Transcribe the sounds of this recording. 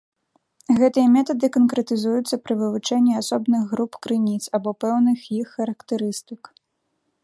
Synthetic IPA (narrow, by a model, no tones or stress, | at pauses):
ɣɛt̪ɨjɐmʲɛt̪ɐd̪ɨkɐnkɾɛt̪ɨzujut̪sːɐpɾɨvɨvut͡ʂɛnʲːiasɔbnɨɣɣɾupkɾɨnʲit̪sabɔpɛwnɨxjixːɐɾɐkt̪ɛɾɨst̪ɨk